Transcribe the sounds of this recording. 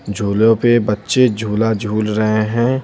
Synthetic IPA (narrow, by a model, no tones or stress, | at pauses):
d͡ʒʱuːlõpebɐtːʃed͡ʒʱuːlad͡ʒʱuːlɾɐɦeɦɛ̃ː